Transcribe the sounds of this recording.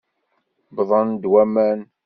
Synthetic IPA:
bðˤənd̪wæmæn

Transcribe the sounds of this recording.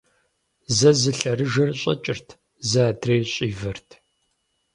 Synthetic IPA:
zɐzɨɬɐrɨʒɐrɕʼɐ̰t͡ʃʼɪrtʰ | zɐːdʰreːɕʼiːvɐrtʰ

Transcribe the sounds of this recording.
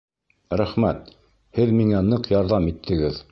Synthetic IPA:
ɾæχmæt̪ | hɘðmiŋænɤqjɑɾðɑmit̪ʰːɘ̆ɡɘð

